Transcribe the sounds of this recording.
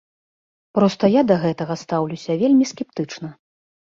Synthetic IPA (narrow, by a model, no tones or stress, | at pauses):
pɾɔst̪ɐjad̪ɐɣɛt̪ɐɣɐst̪awlʲusʲɐvʲelʲmʲiskʲɛp̚t̪ɨt͡ʂnɐ